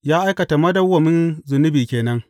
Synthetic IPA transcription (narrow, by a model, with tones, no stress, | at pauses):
jaː˦ʔa˦jkɐ˨ta˨mɐ˦dɐ˦wɐ˨mɪ˦nzʊ˨nʊ˦biː˨kʲeː˨nɐ˦ŋ